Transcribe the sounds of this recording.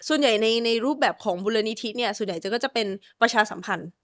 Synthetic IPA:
su˨˩ənja˨˩jna˧jna˧jɾuː˥˩p̚bɛː˨˩p̚kʰɔː˩˦ŋbuː˧la˧ni˧˦˥t̪ʰi˦˥ni˥˩ɐsu˨˩ənja˨˩jt͡ɕa˨˩kɔː˥˩t͡ɕa˨˩pe˧npɾa˧t͡ɕʰaː˧sa̰˩˦mpʰa˧n

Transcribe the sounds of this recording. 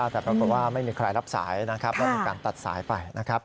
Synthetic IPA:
t̪ɛː˨˩pʰɾa˦˥ku˨˩t̪̚waː˥˩ma˥˩jmiː˧kʰɾa˧jɾa˦˥p̚sa̰ː˩˦jna˦˥kʰɾa˦˥p̚lɛ˦˥m˥iː˧˩˧kaː˧nt̪a˨˩t̪̚sa̰ː˩˦jpa˧jna˦˥kʰɾa˦˥p̚

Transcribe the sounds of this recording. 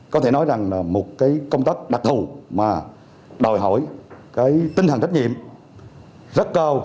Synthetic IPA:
kɔ˨˦e˧˩nɔ˨˦jza˨˩ŋlaː˨˩mo˨˩t̚kaː˨˦jkə˧wŋ͡mt̪aː˦˥k̚ɗa˨˩k̚t̪ʰu˨˩maː˨˩ | ɗo˨˩jɦɔ̰˧˩˨jkaː˨˦jt̪i˧nt̪ʰt͡ɕa˦˥k̚ŋḭ˧˨əm | zə˦˥t̚kaː˧w

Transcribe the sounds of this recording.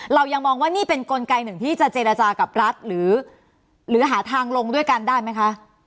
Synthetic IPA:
ɾa˧wja˧ŋmɔː˧ŋwaː˥˩niː˥˩pe˧nko˧nka˧jnɯ˨˩ŋt̪ʰiː˥˩t͡ɕa˨˩t͡ɕeː˧ɾa˧t͡ɕaː˧ka˨˩p̚ɾa˦˥t̪̚ɾɯː˩˦ | ɾɯː˩˦ɦaː˩˦t̪ʰaː˧ŋlo˧ŋdu˥˩əjka˧ndaː˥˩jma˦˥jkʰa˦˥ʔ

